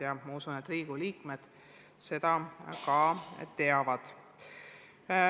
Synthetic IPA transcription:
jɑmɑusunet̪ːˑriːɡ̥uliːkme̞d̪̥ | se̞d̪̥ɑkɑːt̪ːe̞ɑvɑd̪̥

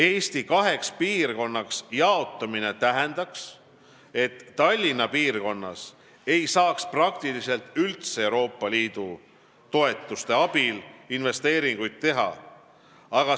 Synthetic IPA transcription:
e̞ːst̪ikɑɦe̞kspiːrko̞nːɑksjɑo̞t̪ːˑɑmine̞t̪æɦɛnd̪ɑks | e̞t̪ːɑlʲːinɑpiːrko̞nːɑ̰s | e̞jsɑːksprɑkt̪ilise̞lt̪ˑylt̪seewɾo̞ːpːˑɑliːd̪̥u | t̪o̞e̞t̪ːˑust̪e̞ɑb̥ilinve̞st̪e̞ːɾiŋɡ̥ujd̪̥̚t̪ːe̞ɦɑ̰ | ɑɡ̥ɑ

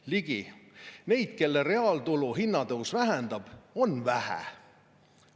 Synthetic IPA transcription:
liɡ̥ine̞jd̪̥̚ke̞lːeɾe̞ɑːlt̪uluɦinːɑd̪ɤuwsvæɦɛnd̪̥ɑb̥o̞nːvæhæ̰

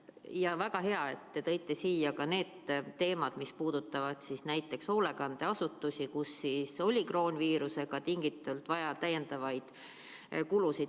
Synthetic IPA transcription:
jɑvæɡ̥ɑɦe̞ɑe̞t̪ːe̞t̪ɤ̞jt̪ˑːe̞siːjɑkɑne̞ːd̪̥t̪ːe̞ːmɑd̪̥mispuːd̪̥ut̪ːˑɑvɑd̪̥sisnæjt̪ːˑe̞kso̞ːle̞kɑnd̪̥e̞ɑsut̪ːˑusʲikusːiso̞lʲikro̞ːnʲviːɾuse̞ɡ̥ɑt̪iŋɡit̪ːˑult̪vɑjɑt̪æjːe̞nd̪̥ɑvɑjd̪̥ | kulusid̪

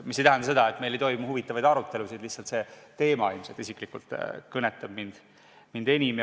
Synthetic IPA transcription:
misːejt̪æɦænd̪ɑse̥ɑet̪ːme̞jle̞jt̪ojmuhuvit̪ːˑɑvɑjd̪ɑɾut̪ːˑe̞lusid̪̥lihsɑlt̪se̞t̪e̞ːmɑilmset̪isikˑlikult̪kɤneɛt̪ːˑɑb̥̚mind̪̥ | mind̪e̞nʲime

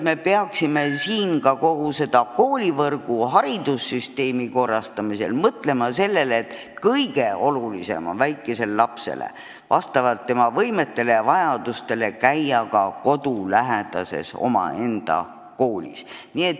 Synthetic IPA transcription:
me̞peɑksime̞siːnkɑko̞ɡ̥use̞d̪̥ɑko̞ːlʲivɤrɡ̥uɦɑɾid̪usːyst̪e̞ːmiko̞rːɑst̪ɑmise̞̰lmɤt̪le̞mɑse̞lːe̞let̪ | kɤjɡe̞olulise̞̰mɑ̰væjkːˑe̞se̞lelɑpse̞̰lḛ | vɑst̪ɑvɑlt̪ːe̞mɑvɤjme̞t̪ːe̞levɑjɑd̪̥ust̪e̞le̞kæjɑkɑko̞d̪ulæɦed̪̥ɑse̞̰so̞̰mɑ̰e̞nd̪̥ɑ̰ | ko̞ːlʲḭsnie̞t̪ː

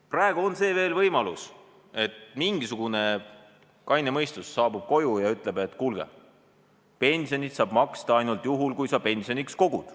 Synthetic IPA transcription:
prɑːeɡ̥uo̞nse̞ːve̞ːlvɤjmɑlus | e̞t̪miŋɡisuɡ̥une̞ | kɑjnemɤjst̪usːɑːbub̥̚ko̞jujɑyt̪ˑle̞be̞t̪ːˑkulɡ̥ḛ | pe̞nʲsio̞nit̪sɑːb̥mɑkst̪ɑɑjnult̪ˑjuɦulkujsɑpe̞nsio̞niksko̞ɡ̥ud̪̥

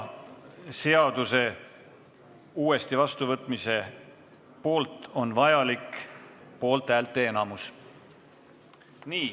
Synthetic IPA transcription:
se̞ɑd̪̥use̞ | uːe̞st̪ivɑst̪uvɤt̪ːˑmise̞ | po̞ːlt̪ˑo̞nvɑjɑlikpo̞ːlt̪ːˑæːlt̪ːˑe̞enɑmus | niː

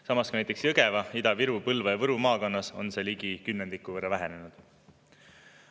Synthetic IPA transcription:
sɑmɑskunæjt̪ːˑeksjɤɡe̞vɑid̪ɑviɾupɤlvɑjɑvɤɾumɑːkɑnːɑso̞̰nse̞ːliɡikynːend̪̥ikːˑuvɤrːɑvæɦe̞ne̞nud̪̥

